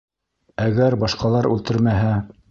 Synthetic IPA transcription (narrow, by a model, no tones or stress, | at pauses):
æɡæɾbɑʃqɑlˠɑɾʉ̰lt̪ɘɾmæɦæ